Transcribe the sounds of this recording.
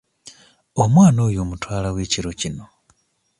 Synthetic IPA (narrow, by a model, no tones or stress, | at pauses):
omwaːnoːjoːmutwaːlaweːciɾocino̞